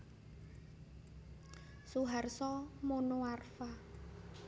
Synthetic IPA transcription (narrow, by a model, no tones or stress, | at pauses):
suɦarsɔmonoarfa